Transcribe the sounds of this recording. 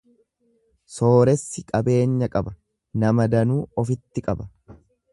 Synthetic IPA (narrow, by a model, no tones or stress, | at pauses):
so̞ːɾɛsːɪkʼɐbe̞ːɲːɐkʼɐbɐ | nɐmɐd̪ɐnuːɔfɪt̪ːɪkʼɐbɐ